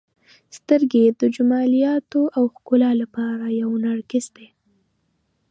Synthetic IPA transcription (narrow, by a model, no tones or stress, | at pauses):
st̪əɾɡed̪əd͡ʒʊmɑlijɑt̪oʔawxkʊlɑlapɑɾajawnaɽkɪzd̪e